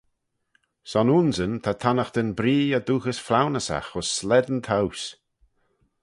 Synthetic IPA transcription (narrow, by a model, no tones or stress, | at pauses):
sɔnuːnzənt̪ʰat̪ʰanəxd̪ənbɾiːəd̪uːxəsflawnəsa̰xʊsːlɛd̪ənt̪ʰaws